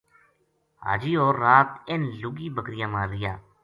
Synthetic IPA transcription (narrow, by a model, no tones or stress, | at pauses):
ɦa̰ːd͡ʒiːoːɾːaːt̪ɪnlʊɡiːbəkɾɪjãːmaːɾːɪjãː